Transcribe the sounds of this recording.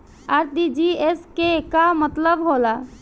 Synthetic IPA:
aɾd̪id͡ʒieskekamət̪ləbɦola

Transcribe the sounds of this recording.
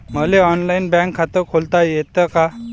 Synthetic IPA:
m̤əleɔnlainbɛ̃ŋkʰːat̪əɾkʰolt̪ajet̪əka

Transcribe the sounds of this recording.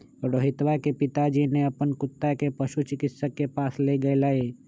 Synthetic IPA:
ɾoːɦɪt̪ʋakepɪt̪ad͡ʒineɐpənkʊt̪ːakepɐʃut͡ʃɪkɪtsəkepaːsleɡəelaːeː

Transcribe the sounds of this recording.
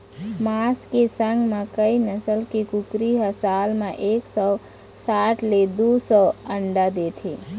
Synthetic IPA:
maskesəŋɡmakəinəsəlkekukɾiɦəsalmãʔeːksɔ | saʈʰled̪usɔəɳɖad̪et̪ʰe

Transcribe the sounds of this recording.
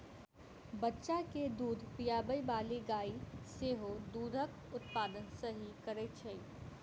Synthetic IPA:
bɐtːʃaked̪uːd̪ʱpijaːbəibaːliɡaːiseːɦod̪uːd̪ʱək | ʊt̪paːd̪ənsəɦikəɾet͡ʃʰəi

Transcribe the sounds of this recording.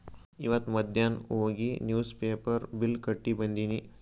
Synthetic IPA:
iʋɐt̪mɐd̪ʱjanoːɡinjuːspeːpɐɾbilkɐʈːibɐnd̪ini

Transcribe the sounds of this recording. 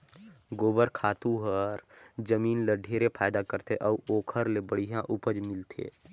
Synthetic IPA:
ɡoːbəɾkʰaːt̪uɦəɾd͡ʒəmiːnləɖʱeɾepʰaːjd̪akəɾt̪ʰeʔəuʔoːkʰəɾlebəɽijãʔupəd͡ʒmɪlt̪ʰḛː

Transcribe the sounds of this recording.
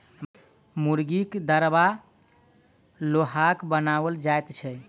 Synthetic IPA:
muɾɡikd̪əɾba | loɦakbənabəld͡ʒajt̪t͡ʃʰɛ

